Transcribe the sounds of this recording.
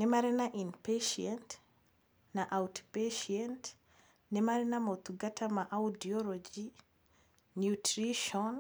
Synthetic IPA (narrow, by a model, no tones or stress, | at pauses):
nemaɾenaʔinpeʃiɛnt | naʔawtpeʃiɛnt | nemaɾenamot̪uɡatʰamaʔaudiɔlɔd͡ʒi | njutɾiʃɔn